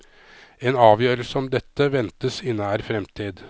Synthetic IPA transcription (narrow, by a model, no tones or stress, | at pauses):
eːnɑːʋjøːɾəlsəɔmd̪ɛt̪ːəʋɛnt̪əsɪnəæːɾfɾɛmt̪ʰiːd̪